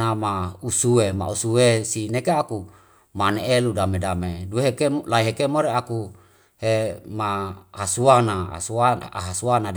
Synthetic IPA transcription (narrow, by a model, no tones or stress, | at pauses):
amausuema̰usuesinekeaku | maneʔeludamedamedueɦekelaiɦekemoɾeaku | hemahasuana̰suaɦasuana